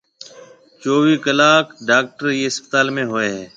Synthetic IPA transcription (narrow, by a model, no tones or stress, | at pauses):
t͡ʃoːʋiːkəlaːkɖaːk̚ʈəɾjiːɪspət̪aːlmẽːɦoːeːɦɛː